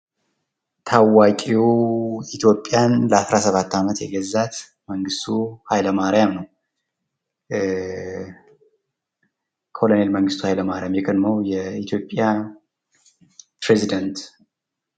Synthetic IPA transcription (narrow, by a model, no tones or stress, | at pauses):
t̪ʰawakʼioit̪ʰjo̞pʼːjanləasɾasəβat̪ːamət̪jɛ̰ɡəzːat̪ | məŋɡɨst̪ʰuhajləmaɾijamnəw | kʰo̞lonelməŋɡɨst̪ʰuhajləmaɾijamjɛkʰəd̪məwjɛit̪ʰjo̞pʼːja | pʰɾezid̪ənt̪